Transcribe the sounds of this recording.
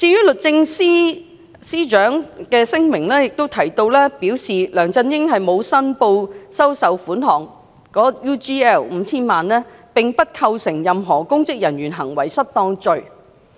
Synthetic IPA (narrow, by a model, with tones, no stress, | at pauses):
t͡siː˧jyː˥lɵ˨t̚t͡sɪ˧ŋsiː˥ | siː˥t͡ʃœː˨˥ŋkɛː˧sɪ˥ŋmɪ˨˩ŋlɛː˥jɪ˨k̚t̪o˥wt̪ʰɐ˨˩jt̪o˧wlɛː˥piː˨˥wsiː˨lœː˨˩ŋt͡sɐ˧njɪ˥ŋɦɐ˨jmo˨˧wsɐ˥npo˧wsɐ˥wsɐ˨˥wfuː˨˥nɦɔː˨ŋ | kɔː˨˥juː˥t͡ʃiː˥ɛː˥˩wm̩˨˧t͡sʰiː˥nmaː˨nlɛː˥pɪ˨ŋpɐ˥t̚kʰɐ˧wsɪ˨˩ŋjɐ˨mɦɔː˨˩kʊ˥ŋkɪ˥k̚jɐ˨˩nɥyː˨˩nɦɐ˨˩ŋwɐ˨˩jsɐ˥t̚t̪ɔː˧ŋt͡ʃɵ˨ɥ